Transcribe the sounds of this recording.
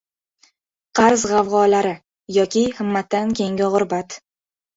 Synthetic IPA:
qʰɑɾzʁɑvʁɒːlaɾɪ | jɒkʲɪhɪmːat̪ːankʲʰe̞ŋʲɪʁʊɾbat̪

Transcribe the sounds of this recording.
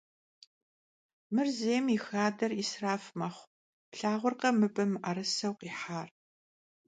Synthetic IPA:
mɨrzeːmixaːdɐrisraːfmɐχʷ | pɬaːʁʷʊrqɐmɨbɨmʔɐɾɨsɐwqiːħaːr

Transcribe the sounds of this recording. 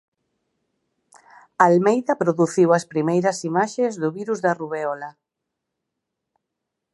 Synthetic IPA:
almejðɐpɾoðuθiwɐspɾimejɾɐsimaʃezðʊβiɾuzðɐruβeɔla

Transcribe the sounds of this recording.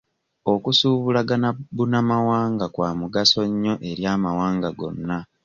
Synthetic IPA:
o̞kusuːβulaɡanabunamawaːŋɡakwaːmuɡaso̞ɲːoʔe̞ɾjaːmawaːŋɡaɡo̞̰nːa

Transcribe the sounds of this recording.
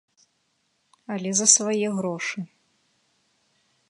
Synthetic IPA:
ɐlʲɛzɐsvajɛɣɾɔʂɨ

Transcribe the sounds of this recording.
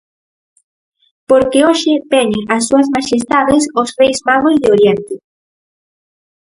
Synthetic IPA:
poɾkeoʃɪt̪ɛɲɪʔasːuɐsmaʃest̪aðesosrejzmaɣozðɪoɾjent̪ɪ

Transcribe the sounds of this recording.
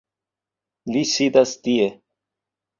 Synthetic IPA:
lisid̪ast̪ie

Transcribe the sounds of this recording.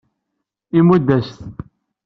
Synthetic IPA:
imud̪ːæst̪

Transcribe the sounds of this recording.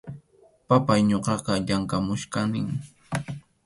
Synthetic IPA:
papajɲoqɑqɑʎaŋkamʊʃkanɪŋ

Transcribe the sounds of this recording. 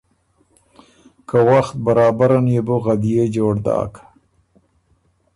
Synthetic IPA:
kʰawaxt̪̚baɾɑːbaɾanjeboɣad̪ijed͡ʒoːɽd̪ɑ̰ːkʰḁ

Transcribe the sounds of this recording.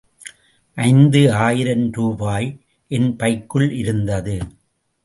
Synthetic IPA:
ʔɐɪnd̪ɯaːjɪɾɐnɾuːbaːj | ʔɛnpɐɪkːɯɭʔɪɾɯnd̪ɐðɯ

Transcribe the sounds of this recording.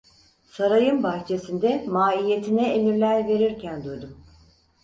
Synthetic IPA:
saɾajɯmbaxt͡ʃʰe̞sind̪ɛmaːije̞t̪ʰinɛelʲiɾlʲæɾve̞ɾiɾcʰænd̪ujd̪um

